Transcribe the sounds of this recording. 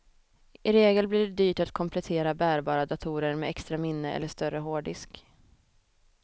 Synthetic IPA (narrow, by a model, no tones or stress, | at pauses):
ɪɾeːɡəlbliɖɛd̪yːʈat̪kʰɔmpʰlɛt̪ʰeːɾabæːɾbɑːɾad̪at̪ʰuːɾəɾmɛ̰ɛkst̪ɾamɪnːəɛ̰lːəʂt̪œɾəɦoːɖɪsk